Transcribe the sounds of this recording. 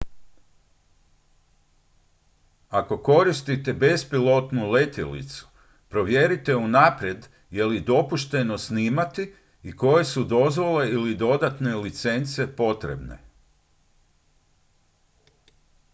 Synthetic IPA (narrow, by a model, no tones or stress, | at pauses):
ako̞ko̞ɾist̪it̪e̞be̞spilo̞t̪nule̞t̪jḛlḭt̪su̥ | pɾo̞ʋje̞ɾit̪e̞unapɾjed̪ | je̞lid̪o̞puʃt̪e̞no̞sniːmat̪i | iko̞je̞sud̪o̞zʋo̞le̞ilid̪o̞d̪at̪ne̞lit̪se̞nt̪sepo̞t̪ɾe̞̰bne̞̰